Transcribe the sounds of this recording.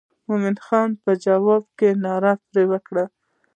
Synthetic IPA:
momɪnxɑnpəd͡ʒawɑb̚kenɑɾɑpɾewəkɽa

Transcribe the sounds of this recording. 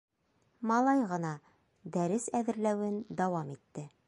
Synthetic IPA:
mɑlˠɑjʁɤ̆nɑ | d̪æɾɘsæðɘ̆ɾlæwɘnd̪ɑwɑmit̪ːɘ

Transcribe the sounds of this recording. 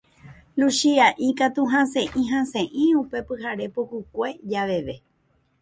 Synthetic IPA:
luʃiaʔĩkat̪uɦãsẽʔĩɦãsẽʔĩupe̞pɨɦaɾe̞pukukʷe̞d͡ʒaʋe̞ʋe̞

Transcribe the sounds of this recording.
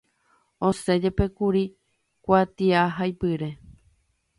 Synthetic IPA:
õse̞d͡ʒe̞pe̞kuɾi | kʷat̪iaɦajpɨɾe̞

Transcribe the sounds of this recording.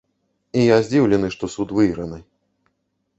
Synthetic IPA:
ijazʲd͡zʲiwlʲɛnɨʂt̪ɔsut̪vɨjɾɐnɨ

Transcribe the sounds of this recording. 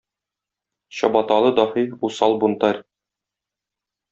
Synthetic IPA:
ɕɒbɑt̪ɑlˠɤd̪ɒhifusɑlˠbŭnt̪ɑɾʲ

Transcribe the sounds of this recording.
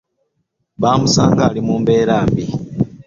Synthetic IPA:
βaːmusaːŋɡalimuːmbeːɾaːmbi

